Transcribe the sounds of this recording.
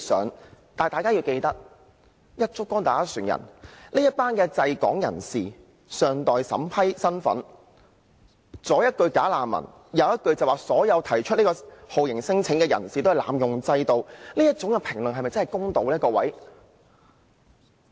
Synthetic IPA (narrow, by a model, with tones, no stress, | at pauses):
sœː˨˥ŋt̪aː˨˩t̪aː˨jkaː˥jiː˧wke˧jt̪ɐ˥k̚ | jɐ˥t̚t͡sʊ˥kːɔː˥ŋt̪aː˨˩kaː˥syː˨˩njɐ̰˨˩nle˥jɐ˥t̚paː˥nkɛː˧t͡sɐ˧jkɔ̰ː˨˥ŋjɐ̰˨˩nsiː˨ | sœː˨˧ŋt̪ɔː˨jsɐ̰˨˥mpʰɐ˥jsɐ˥nfɐ̰˨˥n | t͡sɔː˨˥jɐ˥t̚kɵ˧ɥkaː˨˥laː˨mmɐ̰˨˩n | jɐ˨˧wjɐ˥t̚kɵ˧ɥt͡sɐ˨waː˨sɔː˨˥jɐ˨˧wt̪ʰɐ˨˩jt͡ʃʰɵ˥nliː˥kɔ˧ho˨wjɪ˨˩ŋsɪ˥ŋt͡sʰɪ˨˥ŋkɛː˧jɐ̰˨˩nsiː˨t̪o˥hɐ˨˩la̰ː˨mjʊ˨ŋt͡sɐ˧jt̪o˧wniː˥jɐ˥t̚t͡ʃʊ˨˥ŋkɛ˧pʰɪ˨˩ŋlɵ˨ŋɦɐ˨jmɐ˨jt͡sɐ˥hɐ˨˩jkʊ˥ŋt̪o˨˧wliː˥tkɔː˧wɐ̰˨˥j